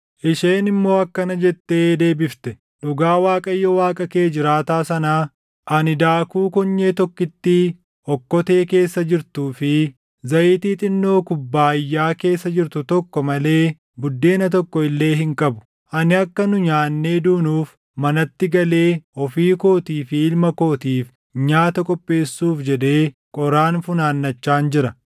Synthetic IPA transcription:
ʔɪʃeːnɪmːo̞ːɐkːɐnɐd͡ʒɛt̪ːe̞ːd̪e̞ːbɪft̪ɛ | ᶑʊɡaːwaːkʼɐjːɔwaːkʼɐke̞ːd͡ʒɪɾaːt̪aːsɐnaː | ʔɐnɪd̪aːkuːkɔɲːeːt̪ɔkːɪt̪ːɪ | ɔkːɔt̪e̞ːke̞ːsːɐd͡ʒɪɾt̪uːfɪ | zɐʔiːt̪iːt̪ʼɪnːo̞ːkʊbːaːɪjːaːke̞ːsːɐd͡ʒɪɾt̪ʊt̪ɔkːɔmɐle̞ː | bʊd̪ːe̞ːnɐt̪ɔkːɔɪlːe̞ːɦɪŋkʼɐbʊ̥ | ʔɐnɪɐkːɐnʊɲaːnːe̞ːd̪uːnuːf | mɐnɐt̪ːɪɡɐle̞ːɔfiːko̞ːt̪iːfɪɪlmɐko̞ːt̪iːf | ɲaːt̪ɐkʼɔpʼːe̞ːsːuːfd͡ʒɛd̪e̞ːkʼɔɾaːnfʊnaːnːɐt͡ʃːaːnd͡ʒɪɾɐ

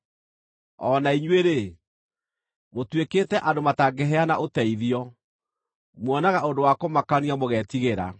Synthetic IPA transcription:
ɔnaiɲweɾe | motwekeːtɛʔadomataɡɛɦɛanaʔotɛiðiɔ | mwɔnaɣaʔondowakomakaniamoɣɛːtiɣeɾa̰

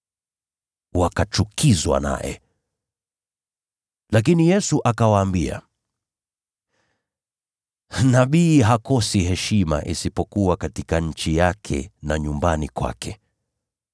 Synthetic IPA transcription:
wakat͡ʃukʰizwa̰na̰jɛ̰ | lak̬inijɛsuʔakawaːmbia̰ | naɓiːɦakɔsiɦɛʃima̰ʔisipɔkuwakatikaɲ̩t͡ʃijakʰɛ̰naɲumbanikwa̰kʰɛ

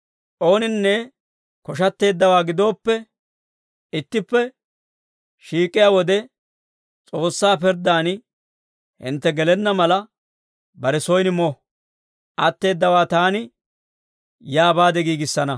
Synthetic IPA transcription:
ʔo̞ːnɪnːɛ | kɔʃ̬ɐt̪ːe̞ːd̪ːɐwaːɡɪd̪o̞ːpːɛ | ɪt̪ːɪpːɛ | ʃiːkʼːɪjaːwɔd̪ɛ | t͡sʼo̞ːsːaːpɪɾd̪aːn | hɪ̰nt̪ːɛɡɛlɛnːɐmɐlɐ | bɐɾɛsɔjnmɔ | ʔɐt̪ːe̞ːd̪ːɐwaːt̪aːnɪ | jaːbaːd̪ɛɡiːɡɪsːɐnɐ

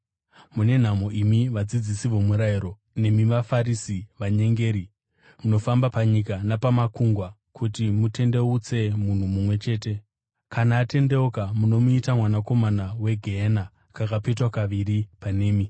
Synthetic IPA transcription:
mune̞n̤amo̞ʔimiʋad͡zid͡zisiʋo̞muɾaiɾo̞ | ne̞miʋafaɾisiʋaɲe̞ŋɡe̞ːɾi | muno̞fambapaɲikanapamakuŋɡwa | kʰutimute̞nde̞ut͡se̞mun̤umumwe̞t͡ʃe̞ːte̞ | kanaːte̞nde̞okamuno̞muitamwanako̞manawe̞ɡʱeːna | kakapetwakaʋiɾipane̞ːmi

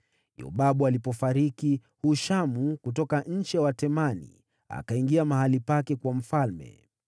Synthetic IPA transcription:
jɔ̰ɓaɓualipɔfaɾiki | huʃamukutɔkaɲ̩t͡ʃɛwatɛmanḭ | a̰kaiŋɡiamahalipakɛkwam̩falmɛ̰

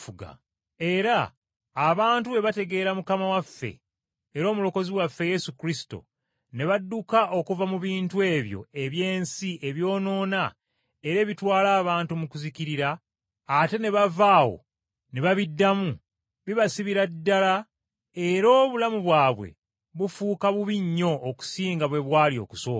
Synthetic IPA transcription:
fuɡa̰ | e̞ɾaː | βaːntue̞βate̞ɡe̞ːɾamukamawafːe̞̰ː | ɾo̞ːmulo̞ko̞ziwafːe̞je̞sukɾisi̥to̰ | ne̞βadːukaʔo̞kuvamuβiːntue̞ːβjo̞̰e̞βje̞ːnsiʔe̞βjo̞ːno̞ːna | e̞ɾe̞ːβitwaːlaːβaːntumukuziciɾiɾaː | te̞ne̞βavaːwo̞̰ | ne̞βaβidːamu | βiβasiβiɾadːala | e̞ɾoːβulamuβwaːβwe̞̰ | βufuːkaβuβiɲːo̞ʔːku̥siːŋɡaβwe̞βwaːlio̞̰ːku̥so̞ːk

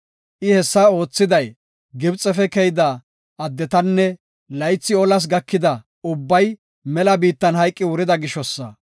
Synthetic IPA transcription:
ʔɪhɛsːɐo̞ːt͡sːɪd̪ɐj | ɡɪbt͡sʼːɛfɛkɛjd̪ɐ | ɐd̪ːɛt̪ɐnːɛ | lɐjt͡sːɪɔlɐs̬ɡɐkːɪd̪ɐ | ʊbːɐj | mɛlɐbiːt̪ːɐnhɐjkʼːɪwʊɾɪd̪ɐɡɪʃɔsːɐ

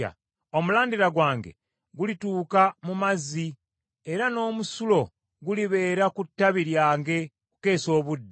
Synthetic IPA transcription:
a̰ | o̞mulaːndiɾaɡwaːŋɡe̞̰ | ɡulituːkamumazːi | e̞ɾano̞ːmusulo̞ | ɡuliβe̞ːɾakutːaβiɾjaːŋɡe̞ | ku̥ke̞ːso̞ːβudːe

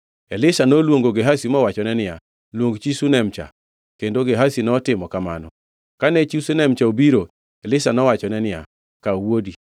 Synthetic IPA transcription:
ɛlɪsanolwoŋɡoɡeɦasimɔwat͡ʃɔnɛnɪja | lwoŋɡt͡ʃisunɛmt͡ʃa̰ | kendoɡeɦasinɔtɪmɔkama̰nɔ̰ | kanɛt͡ʃisenɛmt͡ʃaobiɾo | ɛlɪsanɔwat͡ʃɔnɛnɪa̰ | kawodi

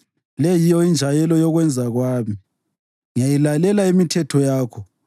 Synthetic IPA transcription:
lɛjijɔind͡ʒʱajɛlɔjɔɣwɛnd͡zʱaɣwaːmi | ŋajilalɛlaimitʰɛtʰɔjaːkʰɔ

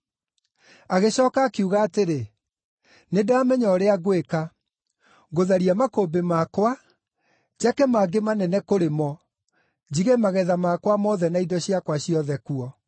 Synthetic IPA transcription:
aɣeɕɔːkaːkeuɣaːteɾe | nedaːmɛɲɔɾeaɣoweka | ɣoðaɾiamakoːbemakwa | d͡ʑakɛmaːɡemanɛnɛkoɾemɔ | d͡ʑiɣemaɣɛðamakwamɔːðɛnaidɔɕiakwaɕiɔðɛkuɔ

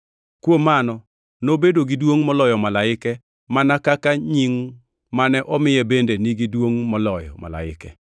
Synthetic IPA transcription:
kwomanɔ | nobedoɡidwoŋmɔlɔjɔmalaɪkɛ | manakakaɲiŋ | manɛʔɔmɪjɛbendeniɡidwoŋmɔlɔjɔ̰ma̰la̰ɪ̰kɛ̰

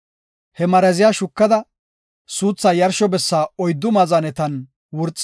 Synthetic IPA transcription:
hɛmɐɾɐzɪjaːʃʊkːɐd̪ɐ | suːt͡sːaːjɐɾʃɔbɛsːaːɔjd̪ːʊmɐzɐnɛt̪ɐn | wʊɾt͡sʼː

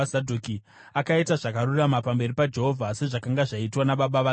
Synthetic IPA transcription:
sadʱuːki | akaitaʐakaɾuramapambe̞ripad͡ʒeɦovʱase̞ʐakaŋɡaʐaitwanaɓaɓaʋa

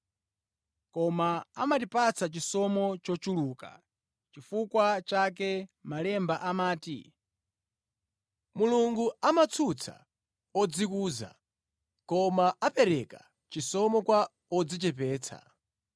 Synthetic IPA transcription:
kɔmaamatipat͡sʰat͡ʃisɔmɔt͡ʃɔt͡ʃuluːka̰ | t͡ʃifukwat͡ʃak̬ɛmalɛmbaʔamaːtḭ | muluŋɡuamat͡sʰut͡sʰa̰ | ɔd͡zikuːza̰ | kɔmaʔapɛɾɛka | t͡ʃisɔmɔkwa | ɔd͡zit͡ʃɛp̬ɛːt͡sʰa̰

